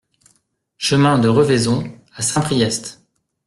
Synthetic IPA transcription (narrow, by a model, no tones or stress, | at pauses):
ʃəmɛ̃d̪əʁəvezɔ̃ | asɛ̃pχijɛst̪